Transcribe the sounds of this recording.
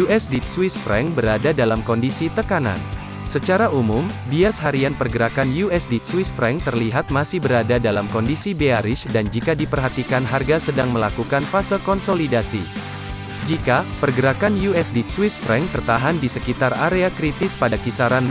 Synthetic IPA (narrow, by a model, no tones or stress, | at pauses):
juɛsdit̪̚swisfɾɛ̰ŋbəɾadadalamkɔndisit̪əkana̰n | sət͡ʃaɾaʔumʊm | biasɦaɾianpərɡəɾakanjuɛsdit̪̚swisfɾɛŋt̪ərliɦat̪̚masɪhbəɾadadalamkɔndisibeaɾɪsdand͡ʒikadipərɦat̪ikanɦarɡasədaŋməlakukanfasɪlkɔnsolidasi | d͡ʒikapərɡəɾakanjuɛsdit̪swisfɾɛŋt̪ərt̪aɦandisəkit̪araɾeakɾit̪ɪspadakisaɾan